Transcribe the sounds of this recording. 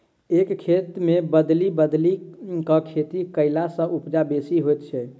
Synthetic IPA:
ekkʰet̪mebəd̪libəd̪likəkʰet̪ikəɪlasə̃ʔupd͡ʒabesiɦojt̪t͡ʃʰɛ

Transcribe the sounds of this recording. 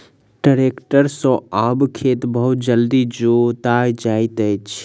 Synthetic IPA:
ʈəɾekʈəɾsɔ̃abkʰet̪bəɦut̪d͡ʒəld̪id͡ʒot̪ajd͡ʒajt̪ət͡ʃʰ

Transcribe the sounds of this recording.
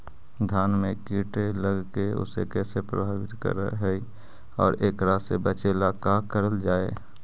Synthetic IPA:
d̪ʱaːnmẽkiːʈeləɡkeʊ̰sḛkɛːsepɾə̰bʱaːʋɪt̪kə̰ɾ̰ɦɛi | ɔːɾeːkɾasḛbət͡ʃeːlakakəɾəld͡ʒaːḛː

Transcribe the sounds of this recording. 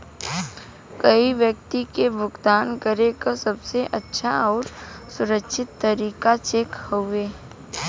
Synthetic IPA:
kɐiʋjək̚t̪ikebʱʊɡd̪aːnkəɾekasɐbseʔɐtːʃʰaɔːɾsʊɾəkʃɪt̪ːəɾiːkat͡ʃeːkhoeː

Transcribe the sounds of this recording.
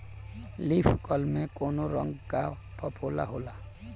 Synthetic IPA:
lifʰkɔlmẽkoːnoɾə̰̃ŋɡkapʰəpʰoːla̰ɦoːlaː

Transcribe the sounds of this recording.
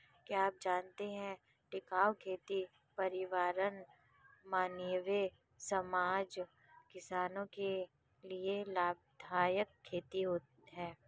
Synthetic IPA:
kiaːp̚d͡ʒaːnt̪eɦɛ̃ | ʈɪkaːʋkʰeːt̪i | pɐɾɪʋaːɾən | maːnjəʋe | sɐmaːd͡ʒ | kɪsaːnõke | lielaːb̚d̪ʱaːjəkʰːeːt̪iɦoː | ɦɛː

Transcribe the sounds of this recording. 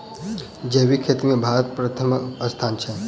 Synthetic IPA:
d͡ʒeːʋikʰeːt̪imẽbʱaːɾət̪̚pɾət̪ʰəməst̪ʰaːnt͡ʃʰɛ

